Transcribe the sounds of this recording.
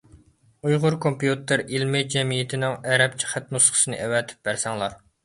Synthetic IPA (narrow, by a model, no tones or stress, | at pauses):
ujʁʊɾkʰompjut̪ɪɾilmɪd͡ʒɛmijɪt̪ʰɪnɪŋɛɾɛp̚t͡ʃʰi̥χæt̪̚nusχʰə̥sɨnɨ̰ʔɛwɛt̪ʰɪ̥p̚bæɾsɛŋlˠɑɾ